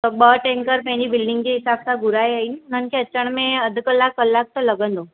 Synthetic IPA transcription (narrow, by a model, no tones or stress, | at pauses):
t̪ɔbəʈẽŋkəɾpɛɦnibɪlɖɪŋɡkiɦɪsab̚saɡuɾajainnənkʰeət͡ʃəɳ̃mẽəd̪ʱkəlːakːəlːak̚t̪ələɡənd̪o